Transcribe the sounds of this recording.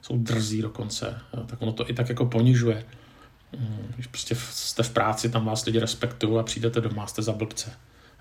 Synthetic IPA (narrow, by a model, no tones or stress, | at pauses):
so̞wd̪r̩ziːdo̞ko̞nt͡sɛ̰t̪akonot̪oʔɪt̪akjako̞po̞ɲɪʒujɛ | ɪʃpɾoscɛst̪ɛfpɾʔaːt͡sɪt̪amvaːslɪɟɪɾɛspɛkt̪ujowapr̝̥iːdɛt̪ɛdo̞mast̪ɛzabl̩pt͡sɛ